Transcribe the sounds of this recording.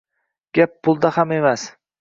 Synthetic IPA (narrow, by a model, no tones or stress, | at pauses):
ɡ̥ʲap̚ːʰʊlˠd̪ahame̞mas